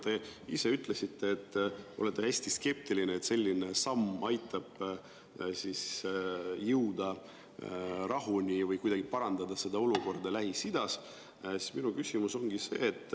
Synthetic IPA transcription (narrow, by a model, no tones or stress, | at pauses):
t̪e̞ise̞yt̪ːˑle̞sit̪ːe̞ːt̪ːo̞̰le̞t̪ːˑehæsʲt̪iske̞p̚t̪ilineːt̪se̞lʲːine̞sɑmːɑjt̪ːˑɑb̥ | sis | jɯwd̪̥ɑ | rɑɦunʲivɤjkujd̪ɑɡ̥ipɑɾɑnd̪̥ɑd̪ɑse̞d̪̥ɑo̞luko̞rd̪̥ɑlæɦisid̪̥ɑs | si̥sminukysʲimuso̞ŋɡise̞̰ːt̪ːˑ